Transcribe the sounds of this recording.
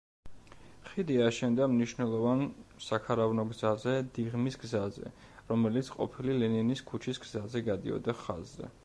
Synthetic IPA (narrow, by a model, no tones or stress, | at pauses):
χid̪iaʃɛnd̪amniʃnɛlˠɔvansakʰaɾavnɔɡzazɛd̪iʁmisɡzazɛ̰ | ɾɔmɛlit̪sʰqʼɔ̰pʰililɛniniskʰut͡ʃʰisɡzazɛɡad̪ḭɔ̰d̪aχa̰zːɛ̰